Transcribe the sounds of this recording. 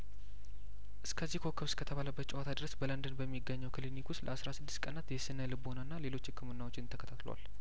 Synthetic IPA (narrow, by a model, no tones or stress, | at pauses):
ʔɨskʰəzːihkʰo̞kʰːəβskʰət̪ʰəβaləbːət̪t͡ʃʼɛwat̪ʰad̪ɨɾəsbələnd̪ənbəmːiɡəɲːəwkʰɨlinikust̪ləasɾasɨd̪ːɨst̪kʼənat̪jɛsɨnəlɨbonanːale̞lo̞t͡ʃːɪkːɨmɨnːawo̞t͡ʃːɪnt̪ʰəkʰət̪ʰat̪lo̰wa̰l